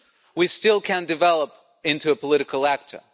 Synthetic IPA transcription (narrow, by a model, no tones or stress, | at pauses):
wistɪlˠkʰɨ̃ndɨvɛlˠəp | ɪ̃ntʉəpʰəlɪɾɨkəl̩ˠæk̚tʰə̰˞